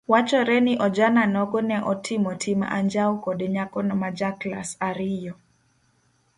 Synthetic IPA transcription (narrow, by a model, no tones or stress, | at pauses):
wat͡ʃɔɾɛnɪʔɔd͡ʒananɔɡɔnɛʔɔtʰɪmɔtʰɪma̰ɲd͡ʒawkɔdeɲakɔnɔmad͡ʒaklasaɾɪjɔ